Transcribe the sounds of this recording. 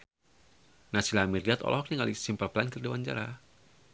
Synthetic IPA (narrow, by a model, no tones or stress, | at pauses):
nasilamiriat̪ɔ̰lɔɦɔk̚niŋalisimpərplankərdiwaɲd͡ʒa̰ɾa